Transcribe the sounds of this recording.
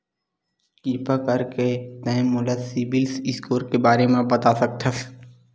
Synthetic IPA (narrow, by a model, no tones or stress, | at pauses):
kiːpakəɾket̪ɛ̃mʊləd̪sibɪlsɪskoːɾkebaːɾemẽbɐt̪asɐk̚t̪ʰə